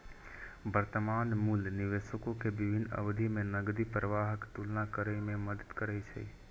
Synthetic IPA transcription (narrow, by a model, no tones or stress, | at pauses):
bəɾt̪əmaːnmuːlnɪʋeːʃəkõkʰebɪbʱɪnə̰bd̪ʱimẽnəɡd̪ipɾəʋaːɦəkt̪ulnakəɾəimẽməd̪əd̪kəɾəit͡ʃʰə̰i